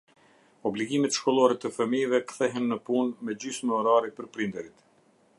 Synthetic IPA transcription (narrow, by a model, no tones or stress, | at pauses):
ɔbliɡimɛt̪ʃkɔlˠɔɾɛt̪əfəmivɛkθɛɦɛnːəpunmɛd͡ʑysməɔɾaɾipəɾpɾind̪ɛɾit̪